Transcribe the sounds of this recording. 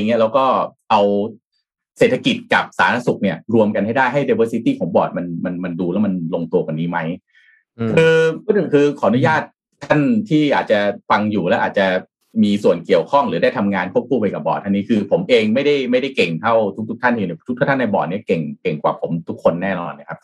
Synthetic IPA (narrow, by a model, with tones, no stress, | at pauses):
ŋːi˦˥ɐlɛː˦˥wkɔː˥˩ʔa˧w | seː˨˩t̪ʰːa˧ki˨˩t̪̚ka˨˩p̚saː˨˩˦na˧˥su˨˩k̚ni˥˩ɐɾu˧əmka˧nha˥˩jdaː˥˩jɦa˥˩jde˧wɤː˧si˦˥t̪iː˥˩kʰɔ˩˦ŋbɔː˨˩t̪̚ma˧nma˧nma˧nduː˧lɛ˦˥wma˧nlo˧ŋt̪u˧əka˨˩nːiː˦˥ma˦˥j | kʰɯː˧˨kʰɯː˧kʰɔː˩˦ʔnu˦˥jaː˥˩t̪̚ʰːa˥˩nt̪ʰiː˥˩ʔaː˨˩t̪̚t͡ɕa˨˩fa˧ŋjuː˨˩lɛː˦˥wʔaː˨˩t̚t͡ɕa˨˩ | miː˧su˨˩ənki˨˩əwkʰɔ˥˩ŋɾɯː˩˦da˥˩jt̪ʰa˧mŋaː˧nkʰu˥˩əp̚kʰuː˥˩pa˧jka˨˩bɔ̰ː˨˩t̪̚ʔa˧nːiː˦˥kʰɯː˧pʰo˩˦mʔeː˧ŋma˥˩jda˥˩jma˥˩jda˥˩jke˨˩ŋt̪ʰa˥˩wt̪ʰu˥kt̪ʰu˦˥kt̪ʰa˥˩nt̪ʰiː˧˨˩t̪ʰu˥kt̪ʰːt̪ʰna˧jbɔ̰ː˨˩t̪̚ni˥˩ɐke˨˩ŋke˨˩ŋkwaː˨˩pʰo˩˦mt̪ʰu˦˥kʰːo˧nːɛː˥˩nɔ̰ː˧nːa̰˦˥˩kʰa˦˥p̚